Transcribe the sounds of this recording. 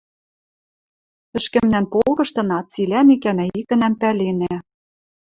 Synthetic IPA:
ɘ̆ʃkɘ̆mnænpolɣɤ̆ʃt̪ɤ̆nɑt̪t͡silæmikænæikɘ̆næmpælenæ

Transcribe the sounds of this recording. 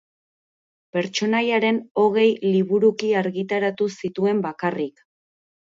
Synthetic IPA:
pe̞ɾt͡ʃo̞najaɾe̞no̞ɣe̞jliβuɾukiaɾɣit̪aɾat̪usit̪ue̞mbakarik

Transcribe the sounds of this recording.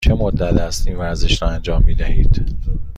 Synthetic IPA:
t͡ʃʰe̞mod̪ːæt̪æst̪iːnvæɾze̞ʃɾɒːænd͡ʒɒːmːiːd̪æhiːd̪̥

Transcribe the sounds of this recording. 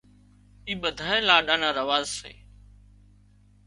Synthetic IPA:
iːɓəd̪ʱaːeːlaːɗaːnãːɾəʋaːzsḛː

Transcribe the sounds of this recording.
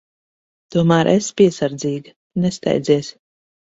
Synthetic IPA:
t̪uɔmæːɾʔɛspiɛsaɾd̪ziːɡ | nɛst̪a̰jd̪ziɛs

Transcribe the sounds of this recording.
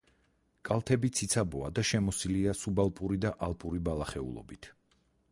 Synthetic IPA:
kʼalˠt̪ʰɛbit̪sʰit̪sʰabɔad̪aʃɛmɔsiliasubalˠpʼuɾid̪aʔalˠpʼuɾibalˠaχɛṵlˠɔ̰bit̪ʰ

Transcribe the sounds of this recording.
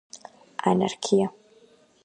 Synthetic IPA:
ʔa̰na̰rkʲʰija

